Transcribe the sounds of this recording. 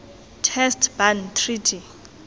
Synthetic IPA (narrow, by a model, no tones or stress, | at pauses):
tʰɛstʰbantʰritʰi